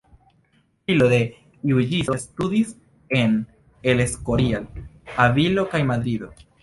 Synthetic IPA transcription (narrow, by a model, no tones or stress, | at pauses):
ilo̞de̞ | iud͡ʒiso̞studis | e̞n | e̞le̞skoɾialavilo̞kajmad̪ɾido̞